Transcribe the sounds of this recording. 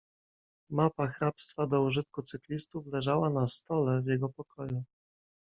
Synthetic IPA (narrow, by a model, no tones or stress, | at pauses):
mapaxɾapst̪fad̪ɔuʐɘt̪kut̪sɘklʲist̪uflɛʐawanast̪ɔlɛvʲjɛɡɔpɔkʰɔju